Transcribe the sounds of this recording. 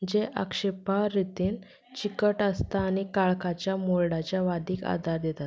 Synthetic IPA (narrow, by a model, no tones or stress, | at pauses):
d͡ʑeʔa̰kʂepaɾit̪iːn | t͡ɕikəʈəst̪aːñikaɭkat͡ɕjamoɭɽat͡ɕjaʋad̪ʱiːka̰d̪ʱaɾd̪et̪at̪